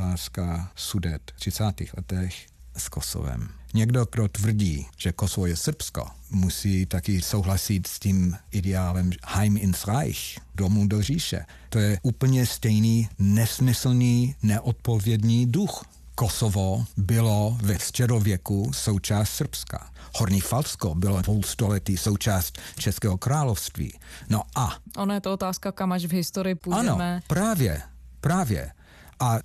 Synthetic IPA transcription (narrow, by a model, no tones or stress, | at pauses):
taːskasudɛt̪t̪r̝̥ɪt͡saːt̪ḭːxlɛt̪ɛx | skoso̰vɛ̰mɲɛɡdoɡ̥dot̪vr̩ɟiːʒ̥ɛkosovojɛsr̩psko̰ | musiːt̪akɪsowɦlasɪt̪sciːmɪdɛaːlɛmhajmɪnsʁajxdomudor̝iːʃɛ̰ | t̪ojɛʔuːpl̩ɲɛst̪ɛjniːnɛsmɪsl̩niːnɛʔot̪̚povjɛdniːdux | kosovobɪlovɛst͡ʃɛdovjɛkusowt͡ʃaːst̪sr̩pska̰hoɾniːfalskobɪlovowst̪olɛt̪iːsowt͡ʃaːst̪t͡ʃɛskɛːɦokɾaːlofst̪vḭːnoʔaʔonajɛt̪oot̪aːskakamaʃvɦɪst̪oɾɪjɪpujaanɛomɛpɾaːvjɛ̰pɾaːvjɛ̰ | ʔa